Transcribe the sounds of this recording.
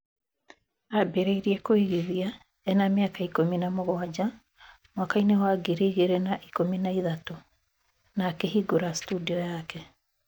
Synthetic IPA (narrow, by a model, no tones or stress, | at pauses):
abeɾeiɾiekoiɣiðia | ɛnameakaikominamoɣwad͡ʑa | mwakainewaːɡeɾeiɣeɾenaʔikominaiðato | naːkeɦiɡoɾastudiɔjakɛ